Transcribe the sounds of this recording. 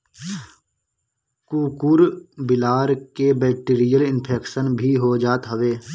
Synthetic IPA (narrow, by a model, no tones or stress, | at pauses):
kuːkuɾbɪlaːɾkebɛːk̚ʈiːɾijəlɪnpʰeːkʃənbʱiɦod͡ʒaːt̪ɦəʋeː